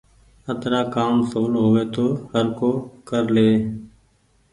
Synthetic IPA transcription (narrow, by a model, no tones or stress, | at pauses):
ət̪ɾaːkaːmsuːlɦoːʋeːt̪oːhəɾkoːkəɾleː